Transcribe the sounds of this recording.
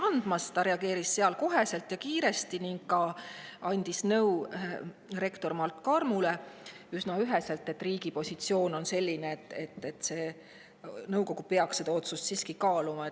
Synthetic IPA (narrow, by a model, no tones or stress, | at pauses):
ɑnd̪̥mɑst̪ɑɾe̞ɑɡe̞ːɾisːeɑlko̞ɦe̞se̞lt̪jɑkiːɾe̞st̪iniŋɡ̥kːɑɑnʲd̪̥isnɤw | re̞kt̪o̞rmɑlt̪ˑkɑrmule̞ | ysnɑyɦe̞se̞lt̪ːe̞t̪ːˑriːɡ̥ipo̞sʲit̪sio̞ːno̞nse̞lʲːineːt̪ːˑe̞t̪ːˑet̪ːse̞ː | nɤwko̞ɡ̥upe̞ɑksse̞d̪ɑo̞t̪sust̪siːskikɑːlumɑe